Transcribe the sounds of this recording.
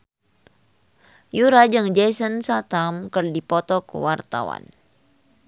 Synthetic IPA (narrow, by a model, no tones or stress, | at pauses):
juɾad͡ʒəŋd͡ʒɛsənsat̪amkərdipɔt̪ɔkə̰wart̪a̰wa̰n